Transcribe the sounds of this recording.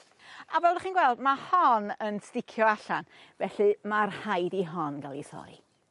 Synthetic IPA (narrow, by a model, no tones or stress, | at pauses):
abɛlˠdaχiːnɡwɛlˠdmahɔnənstɪkʰjɔaɬan | vɛɬɨmarhajdiɦɔnɡalˠisɔ̰j